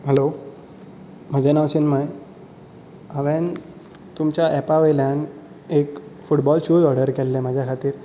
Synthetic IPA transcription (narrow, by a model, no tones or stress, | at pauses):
ɦelo | m̤əd͡ʑʱenaʋt͡ɕinməj | əʋɛ̃n | t̪umt͡ɕjaʔɛpaʋejljãn | ekfuʈbɔlɕud͡zɔɾɽəɾkɛlːeməd͡ʑʱjakʰat̪iːɾ